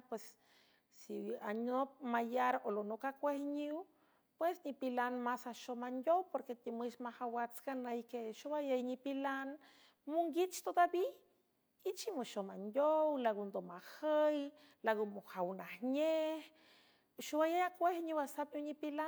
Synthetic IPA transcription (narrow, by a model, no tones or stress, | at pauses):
pwesː | ianop̚majaɾolonokakʷehɲiw | pwesnipilanmasaʃomand̪ʲowpoɾket̪imɨʃmahawat͡sɡanəjkeʃuwajajɲipilan | muŋɡit͡ʃt̪od̪abi | it͡ʃimoʃomand̪ʲowlaɡond̪omahəj | laɡomohawnahɲeh | ʃuwajajakʷehɲiwasapɲiwɲipila